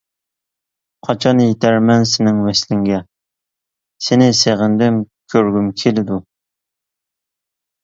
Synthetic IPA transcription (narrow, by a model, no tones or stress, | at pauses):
qʰɑt͡ʃʰɑnjet̪ʰæɾmɛnsɪnɪŋvɛslɪŋɡʲɛ | senɪseʁɪnd̪ɪmkʲʰøɾɡʲymkʲʰelɪd̪u